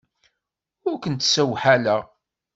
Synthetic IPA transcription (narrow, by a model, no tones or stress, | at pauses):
ʊɾkʷənt̪sæwħalæʁ